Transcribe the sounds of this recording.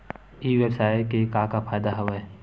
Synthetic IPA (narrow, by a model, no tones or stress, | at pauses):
iʋjəbsaːekekãːkapʰaːjd̪aɦɐʋɛ